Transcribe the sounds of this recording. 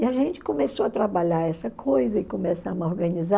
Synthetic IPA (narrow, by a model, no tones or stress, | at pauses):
ɪɐʒẽnt͡ʃɪ̥kõmesoɐt̪ɾabaʎaɾɛsɐkʰojzɐɪkõmesamɐoɾɡɐ̃niza